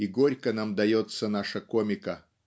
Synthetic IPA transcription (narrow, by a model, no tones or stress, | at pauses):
iɡoɾʲkənamd̪ɐjot̪sɐnaʂɐkomʲɪkɐ